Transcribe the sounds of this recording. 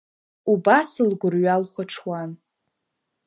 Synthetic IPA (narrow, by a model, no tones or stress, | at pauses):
ubasɨlɡʷʊrɥalχʷaʈ͡ʂʰwan